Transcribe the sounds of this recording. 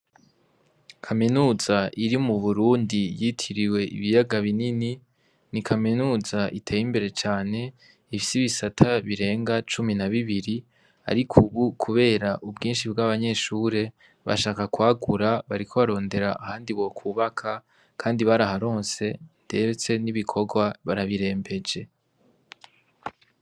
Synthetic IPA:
kʰaminuːzaʔiɾimuβuɾuːndijitʰiɾiwe̞ḭβijaɡaβinini | nikʰaminuːzaʔitʰeːjimbe̞ɾe̞t͡ʃaːne̞ | ifisiβisatʰaβiɾe̞ːŋɡat͡ʃuminaβiβiɾi | a̰ɾikʰuβukʰuβe̞ːɾaʔubɡiːnʃibɡaβaɲe̞ʃuːɾe̞ | βa̰ʃaːkakwaːɡuɾaβaɾikʰo̞βaɾo̞ːnde̞ɾaʔahaːndiβwo̞kʰuːβakʰa | kʰaːndiβaɾaɦaɾo̞ːnse̞d̥e̞ɾet͡se̞niβikʰo̞ɡwaβaɾaβiɾe̞ːmbe̞d͡ʒe̞

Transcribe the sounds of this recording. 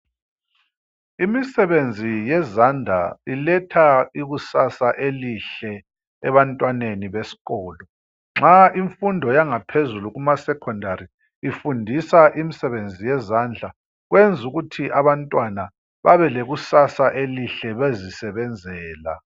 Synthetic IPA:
imisɛβend͡zʱijɛzand͡ɮʱa̰ilɛtʰaiɣusasaʔeliɬɛː | βantʼwaneniβesi̥ɣɔːlɔ | ŋ͡ǁaiɱfundʱɔjaŋapʰezuluɣumasɛkʰɔndʱaɾiː | fundʱisaʔimisɛβend͡zʱijɛzand͡ɮʱa | ɣwend͡zʱuɣutʰiʔaβantʼwana | βaβɛleɣusasaʔeliɬɛβezisɛβɛnd͡zʱɛːla̰

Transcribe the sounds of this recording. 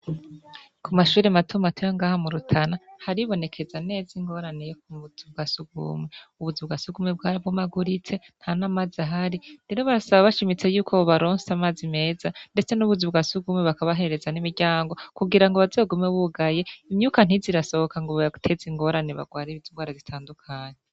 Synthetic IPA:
kʰumaʃuːɾematʰumatʰojoŋɡaːhamuɾutʰanahaɾiβo̞ne̞kʰe̞zane̞ːziŋɡo̞ɾanejokuβuzibɡasuɡṵmweuβuzubɡasuɡumwebɡaːɾibɡomaɡuɾit͡se̞n̥hanaːmazaɦaɾiɾe̞ɾo̞βaɾasaβaβaʃimit͡se̞juːkʰoβaɾoːnsamaːzime̞ːzande̞t͡se̞nuβuzibɡasuɡumweβakaβaɦe̞ɾeɾe̞zanimiɾɟaːŋɡo̞kuɡiɾaŋɡoβazoɡumeβuɡaje̞imɲuːkan̥iziɾaso̞hokaŋɡoβautʰe̞ziŋɡo̞ɾaneβa̰ɡwaːɾeβiziŋɡwaːɾazitʰaːndukʰaːɲe

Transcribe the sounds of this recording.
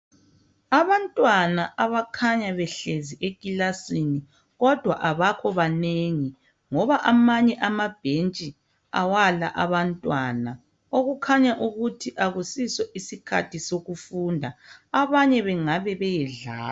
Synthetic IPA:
aβantʼwanaʔaβakʰaɲaβɛɬeziʔekʼilasini | ɣɔd̥ʱwaʔaβakʰɔβaneŋi | ŋɔβaʔamaɲɛʔamab̥ʱent͡ʃʼi | a̰wala̰ʔaβantʼwana | oɣukʰaɲaʔuɣutʰiʔaɣusiswɛʔisikʰa̰tʰisoɣufuːndʱaaβaɲɛβɛŋaβɛβɛjɛɮa̰ː

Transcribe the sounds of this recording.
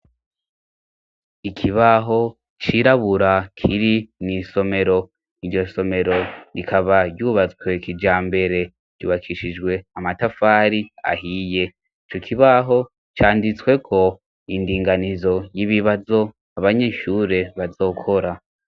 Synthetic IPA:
ikʰiβaɦo̞ | t͡ʃiɾaβuɾakʰiɾiniso̞me̞ɾo̞ | iɾɟo̞so̞me̞ɾo̞ikʰaβaɾɟuːβat͡swe̞kid͡ʒaːmbe̞ɾe̞ | ɟṵːβakʰiʃid͡ʒɡwe̞amatafaːɾia̰hije̞ | it͡ʃokʰiβaɦo̞ | t͡ʃaːndit͡swe̞kʰo̞ | indiːŋɡanizo̞jiβiβazo̞ | aβaɲe̞ʃuːɾe̞βazo̞ːkʰo̞ɾa

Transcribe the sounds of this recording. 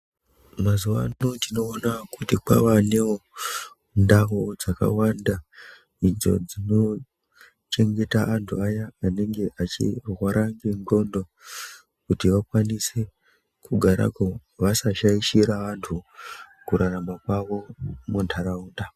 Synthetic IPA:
mazuʋanotino̞ːnakutika̰ʋane̞o | ndaɦod͡zaka̰wanda | inzo̞̰d͡zino̞ | t͡ʃe̞ŋɡe̞taʔːntʰuajaːneŋɡe̞ʔat͡ʃḭrwaɾʔaŋɡiŋɡo̞ndo̞ | kutiʋakwanise | kuɡʱaɾa̰koʋasaʃaiʃiɾaʋantʰukuɾʔaramakwaʋo̞muntʰaɾauːnda

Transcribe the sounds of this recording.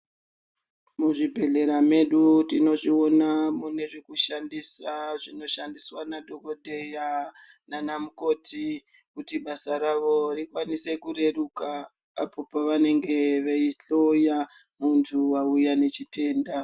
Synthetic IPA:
muʐibʱe̞ɮe̞ɾame̞ɗutino̞ʐio̞namune̞ʐekuʃandisaʐino̞ʃandiswanadʱo̞ko̞dʱeja | nanamuko̞ti | kutiɓasaɾaʋo̞rikwanise̞kuɾe̞rukaː | pʰo̞paʋane̞ŋɡe̞ʋeiɬo̞ja | muntʰuwaujane̞t͡ʃite̞ːnda

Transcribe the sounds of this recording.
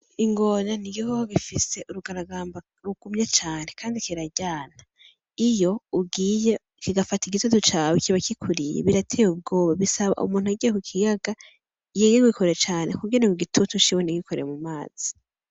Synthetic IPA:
iŋɡo̞naniɡikohoɡifise̞ʔuɾuɡaɾaɡaːmba | ɾuɡ̥umɲat͡ʃaːne̞kʰaːndikiɾaɟaːna | ijo̞uɡiːje | kiɡafatiɡitutut͡ʃawikiβakikʰuɾijḛβiɾatʰeːjub̚ɡo̞ːβaβisaβa̰ʔṵmuːnhuaɡɟijekukʰijaɡa | jeɡeɡwikʰoɾeet͡ʃaːne̞kuɡɟoniuɡitʰutut͡ʃiweniɡikʰoɾejemumaːz̥i̥

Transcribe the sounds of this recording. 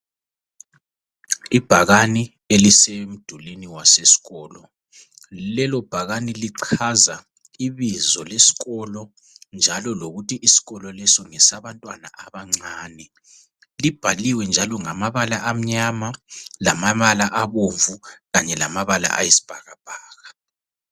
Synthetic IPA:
ib̥ʱaɣani | elisem̩d̥ʱuliniwasesi̥ɣɔːlɔ | lɛlɔb̥ʱaɣaniliǀʰaza | iβizɔlesi̥ɣɔlɔ | nd͡ʒʱalɔloɣutiʔisi̥ɣɔlɔlɛsɔŋɛsaβantʼwana̰ʔaβaŋ͡ǀaːnɛ | lib̥ʱaliwɛnd͡ʒʱalɔŋamaβalaʔam̩ɲamalamaβalaʔaβoɱvuɣaɲɛlamaβala̰ʔa̰jesi̥b̥ʱaɣab̥ʱaːɣa

